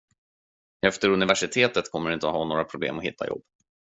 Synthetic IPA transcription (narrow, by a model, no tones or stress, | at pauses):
ɛft̪əɾɵnɪvæʂɪt̪ʰeːt̪ət̪kʰɔmːəɖɵɪnt̪əɔɦɑːnoːɾapʰɾʊblḛːmɔhɪ̰t̪ʰːa̰jɔ̰bː